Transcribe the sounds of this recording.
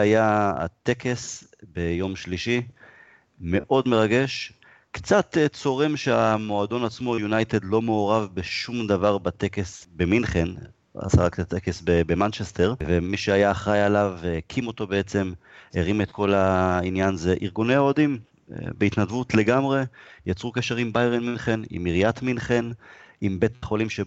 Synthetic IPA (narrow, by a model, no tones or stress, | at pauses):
ajaa̰t̪e̞kʰe̞sbe̞jo̞mʃliʃi | me̞ʔo̞d̪meʁaɡe̞ʃ | kt͡sat̪et͡so̞ʁemʃeamo̞ad̪o̞nat͡smo̞junajt̪e̞d̪lo̞meːʁavbeʃumd̪avaʁbat̪e̞ke̞sbe̞minχen | a̰saʁakt̪at̪ekesbebemant͡ʃest̪e̞ʁvemiʃeajaχʁajalavkʰimo̞t̪o̞beet͡se̞meʁimet̪kʰo̞lainjanze̞ʔiʁɡune̞jaod̪im̰ | beit̪nad̪vut̪le̞ɡamʁe̞jat͡sʁukeʃe̞ʁimbajʁenminχenḭmiʁijat̪minχen | imbe̞t̪χo̞limʃe